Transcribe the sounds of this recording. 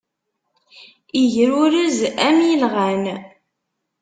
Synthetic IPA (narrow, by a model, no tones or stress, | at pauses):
iʝəɾuɾəzæmjilʁæn